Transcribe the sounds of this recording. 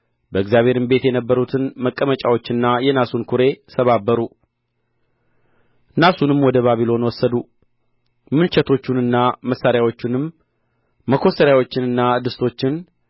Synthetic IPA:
bəɨɡzjaβʱhe̞ɾɨmbe̞t̪jɛnəbːəɾut̪ʰɨnməkʼːəmət͡ʃʼawo̞t͡ʃːɨnːajɛnasunkʰuɾe̞səβabːəɾu | nasunɨmwɔd̪əβaβilo̞nwɔsːəd̪u | mɨnt͡ʃɛt̪ʰo̞t͡ʃːunɨnːaməsːaɾjawo̞t͡ʃːɪnɨmː | əkʰo̞səɾjawo̞t͡ʃːɪnɨnːad̪ɨst̪ʰo̞t͡ʃːɪn

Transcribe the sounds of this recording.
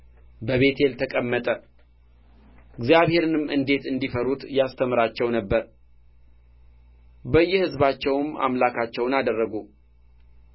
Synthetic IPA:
bəβe̞t̪ʰe̞lt̪ʰəkʼəmːət̪ʼə | ɨɡzijaβhe̞ɾɨnɨmʔɨnd̪e̞t̪ɨnd̪ifəɾut̪jast̪ʰəmɨɾat͡ʃːɛwnəbːəɾ | bəjːɛhɨzbat͡ʃːɛwma̰mlakʰat͡ʃːɛwnad̪ərːəɡu

